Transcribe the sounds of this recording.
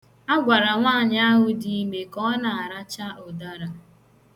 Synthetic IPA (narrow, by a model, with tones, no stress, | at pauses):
a˦ɡʷa˨ɾa˨ŋʷaː˦˨ɲa˦ɦʊ˨di˦i˦me˨kɔ˦na˨a˨ɾa˦t͡ʃa˦ɔ˨da˦ɾa˨